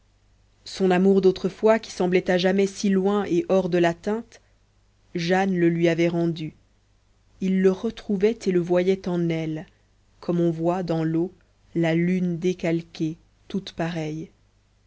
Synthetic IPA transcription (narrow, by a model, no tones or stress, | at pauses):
sɔ̃namuʁd̪ot̪χəfwakʲi̥sɑ̃blɛt̪aʒamɛsilwɛ̃ʔeʔɔʁd̪əlat̪ɛ̃t̪ | ʒanləlɥiavɛʁɑ̃d̪y | ilːəʁət̪χuvɛt̪eləvwajɛt̪ɑ̃nɛl | kʰɔmɔ̃vwad̪ɑ̃lo | lalynd̪ekalkʲe | t̪ut̪paʁɛj